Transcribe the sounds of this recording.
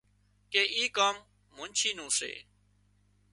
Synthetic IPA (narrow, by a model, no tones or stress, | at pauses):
keːʔiːkaːmː | ʊ̃nt͡ʃʰiːnũːsḛː